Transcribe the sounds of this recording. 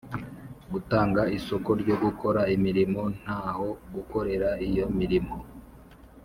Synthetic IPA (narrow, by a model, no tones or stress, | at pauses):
ɡutaːŋɡaisokoɾɟo̞ɡukʰo̞ɾaimiɾimo̞n̥haːho̞ɡuko̞ɾe̞ɾaijo̞miɾimo̞